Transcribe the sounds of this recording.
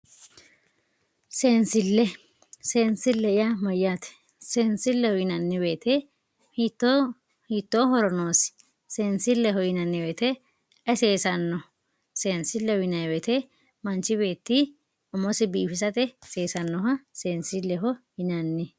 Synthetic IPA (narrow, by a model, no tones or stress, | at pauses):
se̞ːnsɪlːɛ | seːnsɪlːɛɪjamɐjaːt̪ɛ̥ | seːnsɪlːɛhɔjɪnɐnːɪbe̞ːt̪ʰɛ | hit̪ː | hit̪ːoːɦɔɾɔnoːs | seːnsɪlːɛɦɔjɪnɐnːɪweːt̪ɛ | ʔɛseːsɐnːɔ | se̞ːnsɪlːɛwɪnɐjwɛt̪ɛ | mɐnt͡ʃːɪbe̞ːt̪ːi | ʊmɔsɪbiːfɪs̬ɐt̪ɛse̞ːsɐnːɔɦɐse̞ːnsɪlːɛɦɔhɪnɐnːɪ